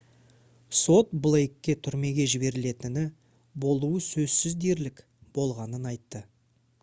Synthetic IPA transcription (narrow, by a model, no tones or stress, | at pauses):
so̞t̪̚blˠejkʲːe̞t̪ʰʏɾme̞ɡʲe̞ʒɪbe̞ɾɪle̞t̪ɪnɪ | bo̞lˠuwəsɵzsɪzd̪e̞ɾlɪk | b̥o̞lˠʁɑnənɑjt̪ːə